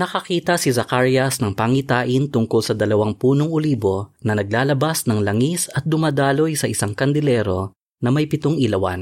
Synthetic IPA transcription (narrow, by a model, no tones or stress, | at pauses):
nɐkɐkiːt̪ɐsizɐkaɹjɐsnɐŋpaŋit̪aːʔɪnt̪ʊŋkolsɐd̪ɐlɐwaŋpuːnoŋʊliːbo̞nɐnɐɡ̚laːlɐbasnɐŋlɐŋisɐt̪̚d̪ʊmaːd̪aːlo̞jsɐʔɪsaŋkɐnd̪ɪlɛːɾo̞ | nɐmɐjpɪt̪oŋɪlɐwa̰n